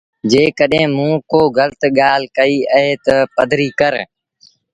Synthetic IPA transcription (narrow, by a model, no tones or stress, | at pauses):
d͡ʒeːkəɗɦẽːmũːkoːɡʱəlt̪ɠaːl̤kəiːəɦeːt̪əpəd̪ʱɾiːkəɾ